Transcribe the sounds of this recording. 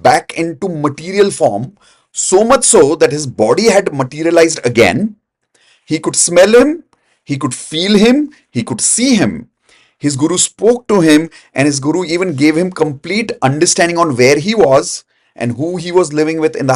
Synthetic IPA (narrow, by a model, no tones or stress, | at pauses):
bækɪ̃ɳʈuməʈiɾiəlfɔːɾm | soːmʌt͡ʃsoːd̪æʈhɪzbɔːɖiɦæɖməʈiɾiəlaɪzɖəɡɛ̰̃n | hiːkʊɖsmɛlhɪ̃m | hiːkʊɖfiːlɦɪ̃m | hiːkʊɖsiːɦɪ̃m | hɪzɡʊɾuspoːk̚ʈuɦɪ̃m | ʔɛ̃nhɪzɡʊɾuiːʋə̃nɡeːʋhɪ̃mkə̃mpliːʈʔʌ̃ɳɖəɾsʈæ̃nɖɪ̃ŋɔ̃nʋeːɾɦiʋɔz | ʔɛ̰̃nɖɦuːɦiːʋɔzlɪʋɪ̃ŋʋɪd̪ɪ̰̃nd̪ə